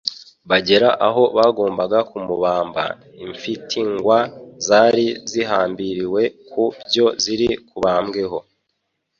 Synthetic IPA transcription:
βaɟe̞ɾaʔaɦo̞βaːɡo̞ːmbaɡakumuβaːmba̰ | iɱfitʰiŋɡwazaːɾiziɦaːmbiɾiwe̞kubɟo̞ziɾikuβaːmɡe̞ɦo̞

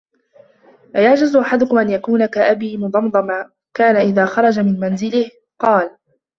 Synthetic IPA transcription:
ʔajaʕd͡ʒazʊʔaħad̪ʊkʊmʔanjakuːnakaʔabiːmʊd̪ˤɑmd̪ˤɑmaː | kaːnaʔɪðaːxɑɾˤɑd͡ʒamɪnmanzɪlɪh | qɑːl

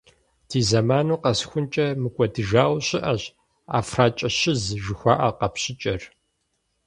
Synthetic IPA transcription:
tʰiːzɐmaːnuːqɐsxʷʊnt͡ʃʼɐmɨkʷʼɔdɨʒaːwɕɪʔɐɕ | a̰ːfraːt͡ʃʼɐɕɪzʒɨxʷa̰ːʔɐqɐpɕɪt͡ʃʼɐr

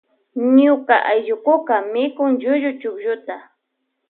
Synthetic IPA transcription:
ɲʊkaʔajʎʊkʊkamɪkʊŋʒʊʒʊt͡ʃʊkʒʊt̪a

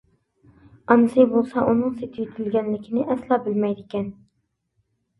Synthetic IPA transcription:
ɑnɨsɪjbolˠsɑʔunɨŋset̪ʰɪjyt̪ʰɪlɡʲænlɪkʲʰɪnɪʔæslˠɑːbɪlmæjd̪ɪkʲɛn

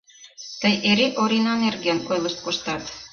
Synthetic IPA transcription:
t̪əjʔeɾeʔoɾʲinɑnerɣenojlˠɤ̆ʃt̪̚koʃt̪ɑt̪

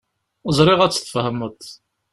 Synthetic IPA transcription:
əzˤɾˤɪʁæt͡sːθə̥fhəmət̪ˤ

